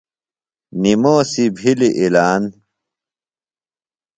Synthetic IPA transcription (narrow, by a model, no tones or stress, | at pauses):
nimoːsibʱiliʔilaːn